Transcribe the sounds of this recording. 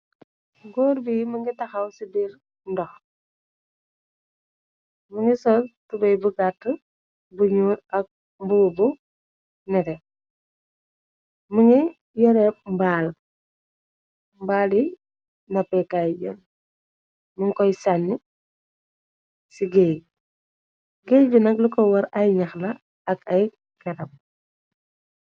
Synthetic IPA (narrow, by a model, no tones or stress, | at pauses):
ɡɔːɾbiməŋɡitɐxɐwsibiɾ | ndɔx | məŋɡisɔtubɐjbuɡatː | buɲuɾɐk̚ | mbubu | nɛɾɛ | muŋɡi | jɔɾɛp̚mbaːl | mbaːli | nɐpɛkajjɛ̰n | muŋkɔjsanːi | siɡɛj | ɡɛbinɐk̚lukɔwɐɾɐjɲɐxlɐ | ɐkɐj | kɐɾɐm̚